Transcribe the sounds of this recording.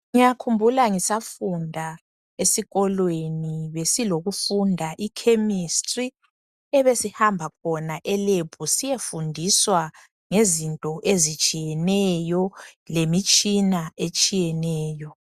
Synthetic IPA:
ŋijakʰumbʱulaŋisafundʱa | esiɣɔlweniβesiloɣufundʱaʔikʰemistʼri | ɛβesihambʱakʰɔnaʔɛlepʰusijefundʱiswa | ŋezintʼɔʔezit͡ʃʼijɛnɛjɔlemit͡ʃʼinaet͡ʃʼijɛnɛːjɔ

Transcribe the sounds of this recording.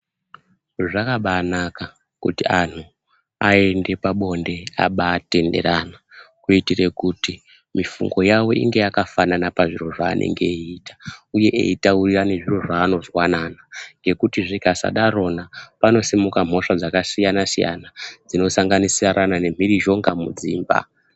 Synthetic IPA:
ʐakaɓaːnaka | kṵtian̤u | ae̞nde̞paɓo̞nde̞a̰ɓaːte̞nde̞̰ɾanakuitire̞kuti | mifṵŋɡo̞jawo̞ḭŋɡe̞jakafananapaʐiro̞ʐa̰ːnʔe̞̰ŋɡe̞itḁuje̞ʔḛitaurirane̞ʐiro̞ʐaːno̞zwananaŋɡe̞kutiʐikasa̰ɗaɾo̞napano̞simukam̤o̞ʂad͡zakasijanasija̰nad͡zino̞saŋɡanisiraɾʔanane̞m̤iɾiʒo̞ŋɡamṵd͡ziːmba̰

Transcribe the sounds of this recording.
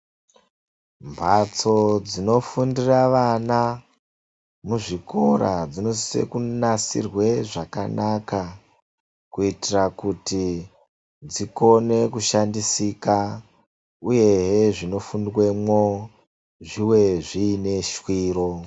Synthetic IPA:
mbʱat͡so̞d͡zino̞fundiraʋana | muʐikʰo̞ɾad͡zino̞sisḛkunasḭrwe̞ʐaka̰naka | kuitirakuti | d͡ziko̞ne̞kuʃandisika | uje̞ɦeʐino̞funrwemwo | ʐiwe̞ʐiːne̞ʃwiːro̞

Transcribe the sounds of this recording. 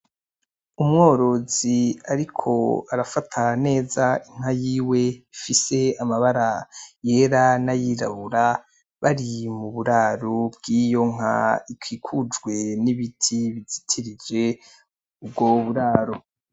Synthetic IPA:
umŋo̞ːɾo̞ziaɾikʰo̞̰aɾafatʰane̞ːzaiŋ̥hajiːwe̞ifise̞amaβaɾaje̞ːɾanajiɾa̰βuɾa | βaɾimuβuɾaːɾobɡiːjo̞ŋ̥a̰ikʰwiːkʰud͡ʒɡwe̞niβitʰiβizitʰiɾid͡ʒe̞ | ubɡoβuɾaːɾo

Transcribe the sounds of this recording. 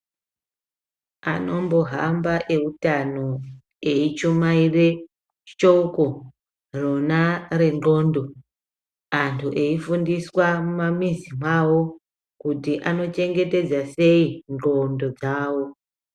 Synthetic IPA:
a̰no̞mbo̞ɦambaʔe̞utano | eit͡ʃomaire̞ | t͡ʃouko | ronare̞no̞ːndo̞ | antʰuʔeifundiswamumamizimwawo̞ | kutiʔanot͡ʃe̞ŋɡe̞te̞d͡zase̞ind͡ɮo̞ndo̞d͡zaːwo̞

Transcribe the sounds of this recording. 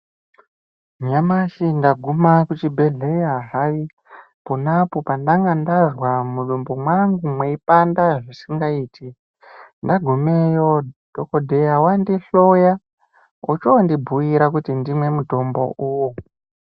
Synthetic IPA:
ɲamaʃindaɡʱumakut͡ʃibʱeɮeɦaɦaʋi | ponapo̞pandaŋɡandazwamuɗumbomwaŋɡumweipandaʐisiŋɡaiːti | ndaɡʱumejo̞d̥ʱokodʱe̞jawandiɬoja | ut͡ʃondibʱuiɾakutindimwe̞muto̞mbo̞̰ʔuwo

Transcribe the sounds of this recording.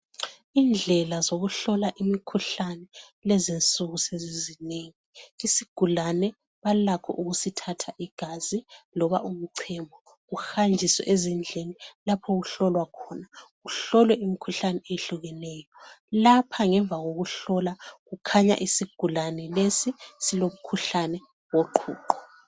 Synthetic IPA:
iːnd͡ɮʱɛlazoɣuɬɔlaʔimikʰuɬanɛlɛzint͡sʼuɣusezizineːŋiisiɡ̥ʱulanɛ | βalakʰɔ̰ʔuɣusitʰatʰaʔiɡ̥ʱazilɔβaʔum̩ǀʰɛmbʱɔ | ɣuxand͡ʒʱiswɛ̰ʔezind͡ɮʱenilapʰoɣuɬɔlwakʰɔnaɣuɬɔlwɛʔimikʰuɬanɛeɬuɣɛnɛːjɔlapʰaŋɛɱvʱaɣoɣuɬɔlaɣukʰaɲa̰ʔisiɡ̥ʱulanɛlesisilomukʰuɬanɛ | woǃʰṵːǃɔ

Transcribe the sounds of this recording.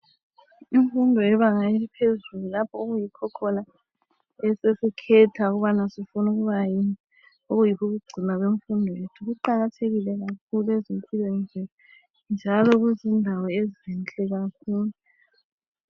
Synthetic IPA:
iɱfundʱɔɛβaŋaelipʰezululapʰɔoɣujikʰɔkʰɔna | ɛsesikʰɛtʰauɣuβanasifunuɣuβajin | oɣujikʰuɣuɡ͡ǀʱimaɣweɱfundʱɔjetʰuɣuǃaɣatʰeɣilɛɣakʰuluezimpʰilɔɛnd͡ʒʱɛla | nd͡ʒʱalɔɣuzindʱawɔeziɛnt͡ɬʼɛɣakʰuːlu

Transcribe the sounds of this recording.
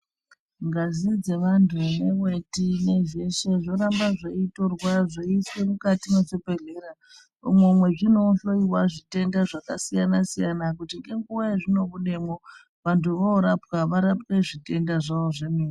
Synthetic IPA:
ŋɡazid͡ze̞ʋantʰune̞wwe̞tine̞ʒe̞ʃeʐo̞ɾambaʐeito̞rwaʐeiswe̞mukatimesepe̞ɮe̞ɾa | umwemwe̞ʐino̞ɬo̞iwaʐite̞ndaʐakasijanasijanakutiŋɡe̞ŋɡuʋaeʐino̞βuɗe̞mo | ʋantʰuʋooɾapwaʋaɾapwe̞ʐite̞ndaʐaoʐemiːni

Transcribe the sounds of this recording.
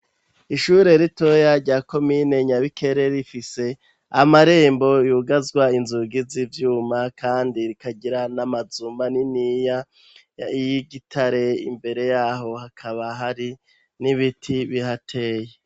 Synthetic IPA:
iʃuːɾe̞ɾito̞jaɾɟaːko̞mine̞ɲaβikʰe̞ɾe̞ɾifise̞ | amaɾe̞ːmbo̞juːɡazɡwainzuɡizivjuːmakaːndiɾikaɟiɾanamazumaninija | ijiɡitʰaɾe̞ḭmbe̞ɾe̞jaːɦo̞hakʰaβaɦaɾi | niβitʰiβiɦatʰe̞je

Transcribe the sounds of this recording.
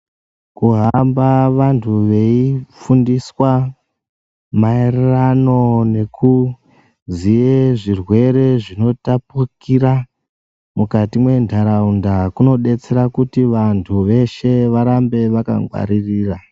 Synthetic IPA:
kuɦambaʋantʰuʋe̞ifundiswa | maererano̞ne̞ku | zijeʐirwe̞ɾe̞ʐino̞tapukiɾa | mukatimwe̞ntʰaɾaundakuno̞ɗe̞t͡se̞ɾakutiʋantʰuʋe̞ʃe̞ʋaɾambe̞ʋaka̰ŋɡwa̰ɾiriːra

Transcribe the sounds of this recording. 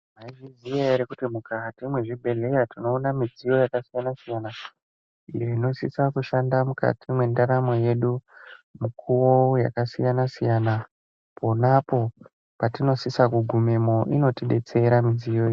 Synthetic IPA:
maiʐizijaeɾekutimukatimwe̞ʐibʱe̞le̞jatino̞ːnamid͡zijo̞jakasijanasijana | ije̞ino̞sisakuʃandamuka̰tʰimwe̞ndaɾamo̞je̞ɗumukʰuwo̞ja̰kasijanasijana | pʰo̞napo̞ | patino̞sisakuɡʱume̞mo̞ʔino̞tiɗe̞t͡se̞ɾamizijoi

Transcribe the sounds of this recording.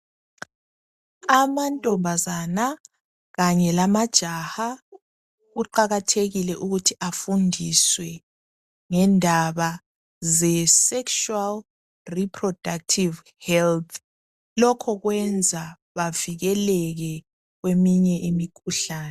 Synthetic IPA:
amantʼɔmbʱazana | ɣaɲɛlamad̥ʒ̥ʱaha | ɣuǃaɣatʰeɣilɛʔuɣutʰiʔafundʱiswɛ | ŋɛndʱaβa | zɛsɛkʃual | ripʰrɔd̥ʱak̚tʰiv | hɛltʰ | lɔkʰɔɣwɛnd͡zʱa | βaviɣɛlɛɣɛ | ɣwemiɲɛʔimikʰuɬaːnɛ

